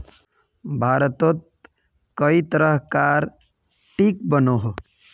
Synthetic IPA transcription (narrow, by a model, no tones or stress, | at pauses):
bʱaːɾət̪ot̪̚ | kəit̪əɾəɦkaːɾ | ʈiːk̚bənoɦo